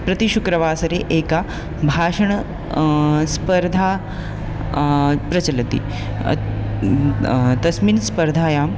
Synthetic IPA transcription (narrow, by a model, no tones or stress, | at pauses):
pɾɐt̪iʃukɾɐʋaːsɐɾeʔeːka | bʱaːʂɐɳ | spɐɾd̪ʱaː | pɾɐt͡ɕɐlɐt̪ḭ | t̪ɐsminspɐɾd̪ʱaːjaːm